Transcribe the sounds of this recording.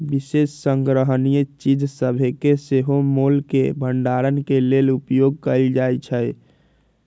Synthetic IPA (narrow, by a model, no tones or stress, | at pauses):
bisesːəŋɡɾəɦənijət͡ʃid͡ʒsəbʱekeseɦomolkebʱəɳɖaɾənkelelupjoɡ̚kəɪld͡ʒajt͡ʃʰəj